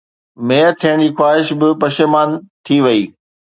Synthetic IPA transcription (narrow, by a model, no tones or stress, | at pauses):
meːəɾt̪ʰijəɽ̃d͡ʑiːxwaːɦɪʃbɪpɐʃemaːnt̪ʰiʋɐiː